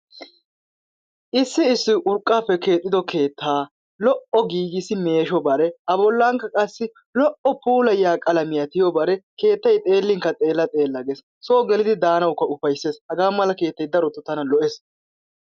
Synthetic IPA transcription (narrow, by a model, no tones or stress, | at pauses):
ʔɪsːɪɪsːɪʔʊɾkʼːaːpːɛke̞ːt̪ʼːɪd̪ɔkʰe̞ːt̪ːaː | lɔʔɔɡiːɡɪsɪme̞ːʃɔbɐɾɛɐbɔlːaːŋkːɐkʼɐsːɪ | lɔʔɔpuːlɐjaːkʼɐlɐmɪjɐt̪ɪjɔbɐɾɛke̞ːt̪ːɐjt̪ʼe̞ːlːɪŋkːɐt̪ʼe̞ːlːɐt̪ʼe̞ːlːɐɡes | soːɡɛlɪd̪ɪd̪aːnɐwkːɐʊfɐjsːe̞ːshɐɡaːmɐlɐke̞ːt̪ːɐjd̪ɐɾɔt̪ːʊt̪ɐnɐlɔʔes